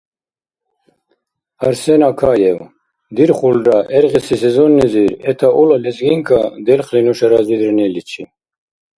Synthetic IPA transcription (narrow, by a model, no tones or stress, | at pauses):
ɐɾsenakʰajew | d̪iɾχulɖaʔeɾʁisisezonːiziɾɛt̪ʰaʔulalezɡiŋkʰad̪ɛlχlinuʃɐɾazid̪ɾnilit͡ɕʰi